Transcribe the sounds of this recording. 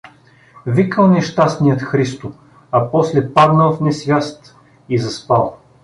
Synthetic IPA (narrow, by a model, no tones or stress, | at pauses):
vikəlˠnɛʃt̪asnijət̪xɾist̪ʊ | ɐpɔslɛpaɾnəlˠfnɛsvʲast̪ | izɐspalˠ